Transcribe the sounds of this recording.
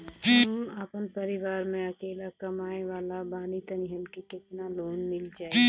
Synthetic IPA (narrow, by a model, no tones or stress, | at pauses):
ɦəməpənpəɾɪʋaːɾmẽɐkeːlakɐmaːeʋaːlabaːnit̪ɐniɦənkikɪt̪naloːnmɪld͡ʒaːeɡe